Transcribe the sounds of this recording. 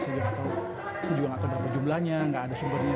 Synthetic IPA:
səd͡ʒaat̪aw | səd͡ʒuaŋat̪awdapad͡ʒumlahɲaŋɡaʔːdasumbər

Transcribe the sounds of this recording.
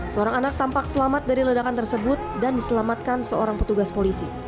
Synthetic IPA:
səoɾaŋanak̚t̪ampak̚səlamat̪̚daɾilədakant̪ərsəbʊt̪̚dandisəlamat̪̚kansəoɾaŋpət̪uɡaspolisi

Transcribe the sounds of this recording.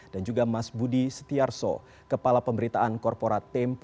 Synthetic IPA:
d̥and͡ʒuɡamasbudisə̥t̪iarsɔ̰ | kəpalapəmbəɾit̪aʔankɔrpoɾat̪ɛmp

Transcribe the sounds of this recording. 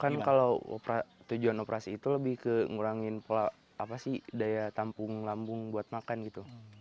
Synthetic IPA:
kankalawo̰pɾat̪ud͡ʒuanopɾʔasiːt̪uləbɪhkəŋuɾaŋɪnpola | apasidajat̪ampʊŋlambʊŋbuat̪̚makanɡit̪u

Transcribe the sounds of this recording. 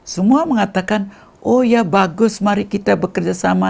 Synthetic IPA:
səmuaməŋat̪akan | ʔojabaɡʊsmaɾikit̪abəkərd͡ʒasama

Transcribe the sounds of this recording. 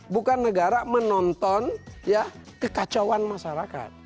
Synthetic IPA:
bukanːəɡaɾamənɔnt̪ɔnja | kəkat͡ʃawanmaʃaɾaka̰t̪̚

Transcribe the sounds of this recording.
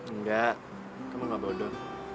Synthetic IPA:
ŋ̩ɡa | kamaŋabodo

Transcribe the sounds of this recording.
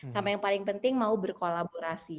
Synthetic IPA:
sampajaŋpalɪŋpənt̪ɪŋmaubərkolaboɾasi

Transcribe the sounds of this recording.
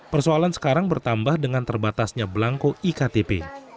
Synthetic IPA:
pərsoalansə̥kaɾaŋbərt̪ambahdəŋant̪ərbat̪asɲablaŋkoikat̪epḛ

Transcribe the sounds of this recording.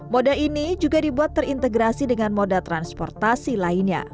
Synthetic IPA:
modainid͡ʒuɡadibuat̪ːərint̪əɡɾasidəŋanmodat̪ɾanspɔrt̪asilainɲa̰

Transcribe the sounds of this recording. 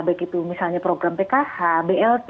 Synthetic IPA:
bajkit̪umisalɲapɾoɡɾampɛkahabeɛlt̪

